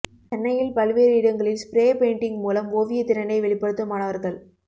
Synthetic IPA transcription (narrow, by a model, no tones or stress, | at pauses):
t͡ʃɛnːɐjɪlpɐlʋeːɾɪɽɐŋɡɐɭɪnspɪɾeːpeːɳʈɪŋɡmuːlɐmoːʋɪjɐt̪ːɪɾɐɳɖɐɪʋɛɭɪpːɐɽɯt̪ːɐmaːnɐʋɐɾɣɐɭ